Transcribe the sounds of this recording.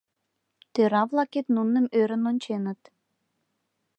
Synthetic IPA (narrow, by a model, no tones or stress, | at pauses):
t̪øɾɑβlˠɑket̪nunːə̆møɾə̆nonʲt͡ɕenə̆t̪